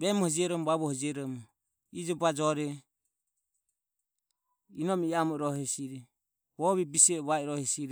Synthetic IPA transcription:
βɛmɔhɔd͡ʒiɛɾɔmɔβaβɔhɔd͡ʒiɛɾɔmɔ | id͡ʒɔbad͡ʒɔɾɛ | inɔmiiamɔɾɔhɛsiɾɛ | βɔβɛbisɔβaiɾɔhɛsiɾɛ

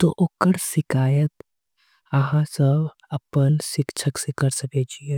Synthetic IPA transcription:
t̪oʔokəɾsɪkaːjət̪ | ɐɦãsəb | ɐpənsɪkt͡ʃʰəksekəɾsəket͡ʃʰie

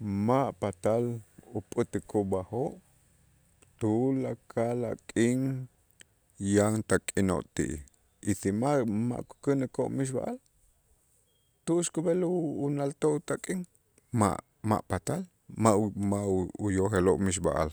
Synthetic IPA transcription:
maʔpat̪alupʼɨt̪ɨkʰubahoʔ | t̪ulakʰala̰kʼiŋ | jaŋt̪akʼino̰ʔt̪ḭʔḭ | isimama̰ʔku̥kɨnakoʔmiʃ̬ba̰ʔal | t̪uʔʃkubeluːnalt̪oʔut̪akʼiŋ | ma̰ʔ | ma̰ʔpat̪al | maʔmaʔujoxeloʔmiʃ̬ba̰ʔa̰l

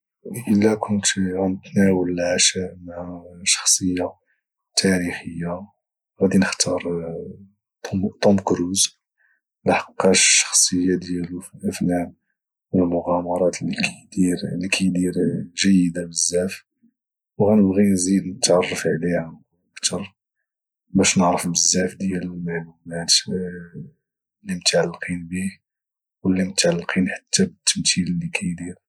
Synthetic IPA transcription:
ʔəlːækʰʊnt̪ɣænət̪næwəlːʕʃæmhæʃɑ̥xsˤəjːa | t̪ʰæɾixəjːa | ɣæd̪inəxt̪ʰɑɾˤ | t̪ˤɑmkɾuz | nħɑ̥qːɑʃʃɑ̥xsˤəjːad̪jælufilʔæfnæʔ | wəlmʊɣɑmɑɾˤɑt̪lkæd̪iɾlikʰæjd̪iɾʒəjːəd̪abəzːæf | wɣænəbɣinzid̪nət̪ʕɑrˤːəfʕlihæ | əkt̪ʰɑɾˤ | bæʃnəʕɾəfbəzːæfd̪jæləlmaʕlumæt̪ | lːimət̪ʕalːqʰinbih | wəlːimʊt̪ʕalːqʰinħḁt̪ʰːabət̪ːəmt̪illːikʰæjd̪iɾ

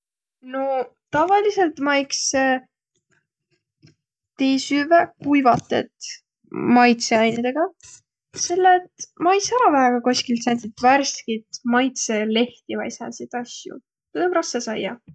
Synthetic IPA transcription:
no | t̪ɑvɑlise̞lt̪mɑjkse | t̪ejsyvekujvɑt̪ːˑḛt̪ | mɑjt̪seɑjnid̪̥e̞ɡ̥ɑ | se̞lːet̪mɑjsæɾɑvæɦeɡ̥ɑkosʲkilt̪sænʲt̪it̪værskit̪mɑjt̪sele̞ht̪ivɑ̰jsɑ̰sit̪ɑsʲjṵ | t̪ɤmrɑsːesɑjːɑ

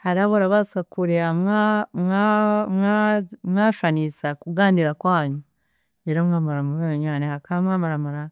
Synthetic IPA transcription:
haɾaβoɾaβasakuɾeamamŋamŋamŋaːʃanisakuɡaːndiɾakwaːɲu | eɾomŋaːmaɾamuβeoɲanehakaβamŋaːmaɾamaɾa

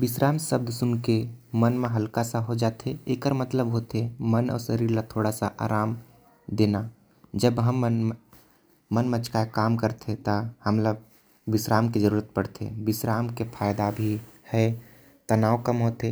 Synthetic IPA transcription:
bɪsɾaːmsəb̚d̪sʊnkemənmẽɦəlkasaɦod͡ʒaːt̪eeːkəɾmət̪ləbɦot̪emənɔ̰ːɾsəɾiːɾlat̪ʰoːɽasa̰ʔa̰ːɾaːm | d̪eːna | d͡ʒəbɦəmːn | mənmə̃t͡ʃkakaːmkəɾt̪ʰet̪ahəmlə | bɪsɾaːmked͡ʒəɾuːɾət̪̚pəɽt̪ʰḛbɪsɾaːmkepʰaːjd̪abʱihɛ | t̪ənaːwkəmɦoːt̪e

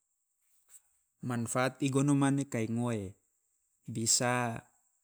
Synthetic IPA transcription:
manfaːt̪̚iɡonomanekaiŋoe | bisa

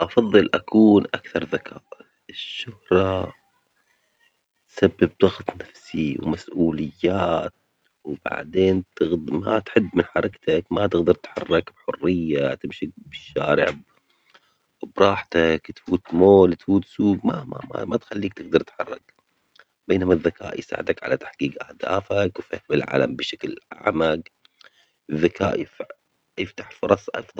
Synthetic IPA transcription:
ʔɑfɑðˤːɨlʔakuːnʔakθɑɾˤðakʰa̰ːʔ | ɪʃːʊhɾˤɑ | t̪sabːɪb̚d̪ˤɑɣt̪ˤnafsiwmasʔuːlɪjːaːt̪̚ | wba̰ʕd̪eːnt̪ɪmat̪ħɪbːmɪnħɑɾˤɑkt̪akmat̪ɪɣd̪ɑɾˤt̪ħɑrˤːɑkbħʊrːɪjːat̪ɪmʃɪk̚bɪʃːaːɾɪ̰ʕb | bɾˤɑːħt̪akt̪fuːt̪moːlt̪fuːt̪suːɡmamaa̰mat̪xalːiːk̚t̪ɪɡd̪ɑɾˤt̪ħɑrˤːɑ̰k | beːnamaðːaka̰ːʔjsa̰ːʕɪd̪akʕa̰lat̪ḁħɡiːqʔahd̪a̰ːfakwfɪhmɪlʕa̰ːla̰mbɪʃaklʕa̰maɡ | ɪðːakaːʔjɪf | jɪft̪aħfʊɾˤɑsˤʔɑ̰fðˤɑ

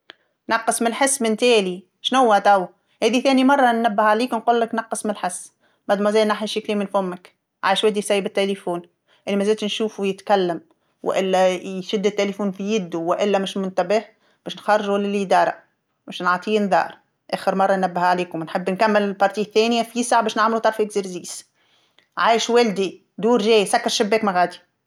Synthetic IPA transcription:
nɑqːɨsˤmɪlħɪsːmɪnt̪æːli | ʃnʊwːæt̪æw | hæːðiθæːnimɑrˤːɑnːæbːɪhʕaliːknquːlːɪknɑqːɨsˤmlħɪsː | mæd̪mæzæːnaħniʃɪkliːmɪnfʊmːæk | ʕa̰ːjɪʃwæːd̪ijsæjːɪbɪt̪ːelifuːn | ʔɪnːimæzæːlt̪nʃuːfuwjɪt̪kælːæm | wɪ̰ʔɪlːæjʃɪd̪ːɪt̪ːelefuːnfijɪd̪ːuwɪʔɪlːæmɪʃmʊnt̪æbɪh | bæːʃnxɑrˤːʒulælid̪ɑːɾˤɑ̰ | mɪʃnʕɑt̪ˤiːnd̪ɑ̰ːɾˤ | ʔæːxɪɾmɑrˤːɑnːæbːɪhʕaleːkʊmnħebːnkæmːɪlɪlbɑɾˤt̪iːθːæːnɪjæfisaʕbæːʃnɪʕmɪlut̪ˤɑɾˤfkziɾziːs | ʕaːjɪʃwæld̪i | d̪uːɾʒæːjsækːɑɾˤʃɪbːæːkmæɣæːd̪i̥

